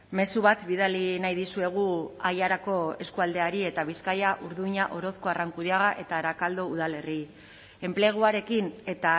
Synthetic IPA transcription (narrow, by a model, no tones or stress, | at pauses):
me̞suβat̪biðalinajðisue̞ɣ̞uajaɾako̞e̞skuald̪e̞aɾie̞t̪aβ̞iskajaʔuɾðuiɲaʔo̞ɾo̞θko̞araŋkuðiaɣaʔe̞t̪aɾakald̪o̞uð̞ale̞ri | e̞mple̞ɣ̞uaɾe̞kine̞t̪a